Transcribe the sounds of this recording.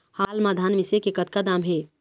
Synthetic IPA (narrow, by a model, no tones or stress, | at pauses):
halmad̪ʱanmisekekət̪̚kad̪amɦe